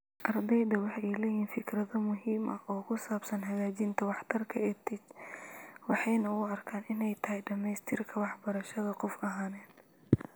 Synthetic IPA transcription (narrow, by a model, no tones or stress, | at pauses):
ʔɐrd̪ɛjd̪ɐwɑħɛjlɛjiːnfɪkʰrɐðɐmʊɦiːmʔɐʔɔːkʰʊsaːbsɐnɦɐɣaːt͡ʃɪnt̪ʰɐwɑħt̪ʰɐrkʰɐɛt̪ʰɪt͡ʃ | wɑħɑjnɐʊɐrkʰaːnɪnɛjt̪ʰɐɦɛjɖɐmɛjst̪ʰɪrkʰɐwɑħbɐɾɐʃɐðɐqɔfɐɦaːnɛːd̪̚